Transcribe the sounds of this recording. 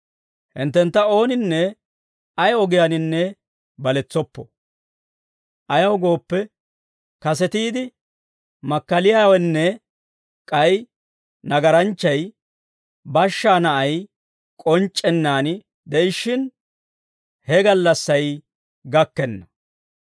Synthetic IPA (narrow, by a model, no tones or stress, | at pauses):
hɪ̰nt̪ːɛnt̪ːɐo̞ːnɪnːɛ | ɐjɔɡɪjanɪnːɛ | bɐlɛt͡sːɔpːɔ̰ | ʔɐjɐwɡo̞ːpːɛ | kɐsɛt̪iːd̪ɪ | mɐkːɐlɪjawɛnːɛ | kʼɐj | nɐɡɐɾɐnt͡ʃːɐj | bɐʃːaːnɐʔɐj | kʼɔnt͡ʃʼːɛnːaːnɪ | d̪ɛʔɪʃːɪn | hɛɡɐlːɐsːɐj | ɡɐkːɛnːɐ